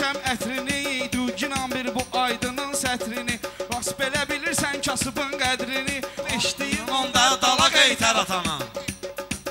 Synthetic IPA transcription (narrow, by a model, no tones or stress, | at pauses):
æmæt̪ʰɾinijejd̪ud͡ʒinɑmbiɾbuʔɑjd̪ɯnɯnsæt̪ʰɾinivɑsbe̞læbiliɾsæncʰɑsɯbɯnɡæd̪ɾinieʃt̪ijimond̪ɑd̪ɑlˠɑɡejt̪ʰæɾɑt̪ʰɑnɯ̰n